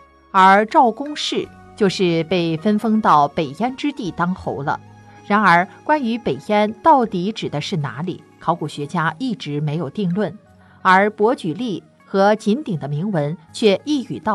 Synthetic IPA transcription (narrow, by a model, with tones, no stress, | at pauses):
ə˞˧˥ʈ͡ʂɑ˥˩ʊkʊ˥ŋʂɻ̩˥˩ | t͡ɕjo˥˧ʊʂɻ̩˥˧pe˥˩ɪfə˥nfɤ˥ŋt̪ɑ˥˩ʊpe˨˩ɪa˥nʈ͡ʂɻ̩˥t̪i˥˩t̪ɑ˥ŋxo̰˧˥ʊlə̰˧ | ɻa˧˥nə˞˧˥kwa˥ny˧˥pe˨˩ɪɛ˥nt̪ɑ˥˩ʊt̪i˧˥ʈ͡ʂɻ̩˨˩d̪ə˦ʂɻ̩˥˩na̰˧˥li˨˩˦kʰɑ˧˥ʊku˨˩ɕɥɛ˧˥t͡ɕja˥i˥˩ʈ͡ʂɻ̩˧˥me˧˥ɪjo˨˩ʊt̪i˥˧ŋlwə˥˩n | ə˞˧˥pwɔ˧˥t͡ɕy˨˩li˥˩ | xɤ˧˥t͡ɕi˧˥nt̪i˨˩ŋd̪ə˦mi˧˥ŋwə˧˥nt͡ɕʰɥɛ˥˧i˥˧y̰˨˩t̪ɑ˥˩